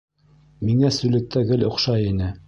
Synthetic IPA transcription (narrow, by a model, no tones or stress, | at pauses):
miŋæsʉlɘ̆k̚t̪æɡɘlŏqʃɑjinɘ